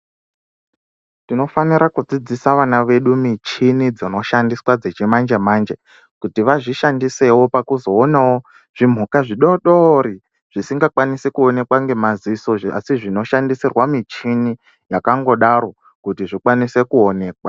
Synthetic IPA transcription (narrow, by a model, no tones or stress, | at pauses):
tino̞faniɾakud͡zid͡zisaʋanaʋe̞ɗumit͡ʃinid͡zono̞ʃandiswad͡zet͡ʃimand͡ʒemand͡ʒe | kutiʋaʐiʃandise̞wo̞pakuzo̞ːnawo | ʐ̥im̤ukaʐiɗoɗoɾi | ʐ̥isiŋɡakwanisekuone̞kwaŋɡe̞maziso̞a̰siʐino̞ʃandisirwamit͡ʃini | jakaŋɡo̞ɗaɾo̞ | kutiʐikwanise̞kuone̞ːkwa